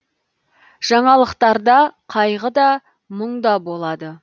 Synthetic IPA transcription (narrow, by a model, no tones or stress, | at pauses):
ʒ̥ɑɴɑlˠəqt̪ɑɾd̪ɑqʰɑjʁəd̪ɑ | məɴd̪ɑbo̞lˠɑd̪ə